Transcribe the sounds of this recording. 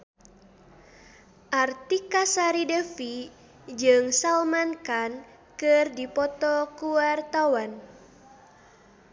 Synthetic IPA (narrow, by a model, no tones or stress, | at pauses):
ʔart̪ikasaɾidəfi | d͡ʒɨŋsalmankan | kɨrdipɔt̪ɔkuart̪awan